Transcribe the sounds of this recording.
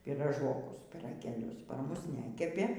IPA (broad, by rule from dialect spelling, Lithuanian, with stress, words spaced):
pʲiːrɐˈʒoːkʊs pʲiːrɐɡʲeːˈlʲʊs pɐr ˈmʊs ˈnʲæːkʲɛpʲeː